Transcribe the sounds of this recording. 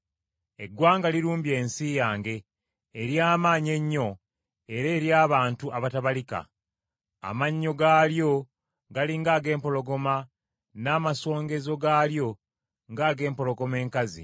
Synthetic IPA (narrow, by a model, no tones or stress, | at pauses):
e̞ɡwaːŋɡaliɾuːmbje̞ːnsijaːŋɡe̞ː | ɾjaːmaːɲe̞ɲːo̞ | eɾe̞ːɾjaːβaːntuʔaβataβalika̰ | a̰maɲːo̞ɡaːljo̞ | ɡaliŋɡaːɡe̞ːmpo̞lo̞ɡo̞ma | naːmaso̞ːŋɡe̞zo̞ɡaːljo̞ | ŋɡaːɡe̞ːmpo̞lo̞ɡo̞me̞ːŋkazḭ